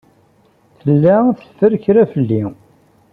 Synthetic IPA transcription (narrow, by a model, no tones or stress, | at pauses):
θəlːæθə̥fəɾçɾæfəlːi